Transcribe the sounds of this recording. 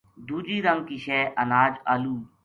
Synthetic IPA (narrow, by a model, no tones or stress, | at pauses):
d̪uːd͡ʒiːɾə̃ŋkiʃeːʔənaːd͡ʒaːluː